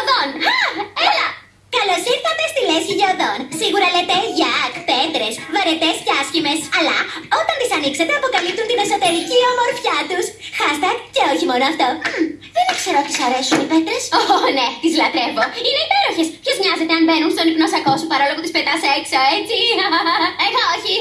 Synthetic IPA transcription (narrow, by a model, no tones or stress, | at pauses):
ðonelɐ | kɐlo̞siɾθɐt̪est̪ilesçiʝeoðo̞nsiɣuɾɐlet̪e̞ʝɐkpe̞t̪ɾe̞svɐɾe̞t̪esce̞ɐscime̞sɐlɐo̞t̪ɐnt̪isɐnikse̞t̪e̞ɐpo̞kɐlip̚t̪unt̪ine̞so̞t̪e̞ɾicio̞mo̞ɾfçɐt̪usxɐst̪ɐkce̞oçimo̞noɐft̪o̞ | ðenekseɾot̪isɐɾesunipet̪ɾesone̞t̪izlɐt̪ɾevo̞ine̞ipe̞ɾo̞çe̞spçezmɲɐzet̪e̞ɐnve̞nunst̪o̞nipno̞sɐko̞supɐɾo̞lo̞put̪ispet̪ɐsekso̞e̞t͡siɐeɣɐoçi